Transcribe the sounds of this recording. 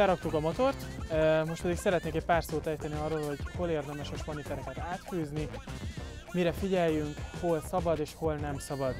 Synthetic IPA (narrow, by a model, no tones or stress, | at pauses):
ɛɾɒk̚t̪ukɒmot̪o̞rt̪mo̞ʃt̚pɛd̪iksɛɾɛt̪neːkɛc̚ʲpaːrsoːt̪ɛjt̪ɛniɒrːoːlɦo̞ɟho̞leːrd̪ɛmɛʃmoʃmonit̪ɛɾɛkɛt̪aːt̪fyːzni | miɾɛfiɟɛjːyŋkho̞lsɒbɒd̪eːʃho̞lnɛmsɒbɒd̪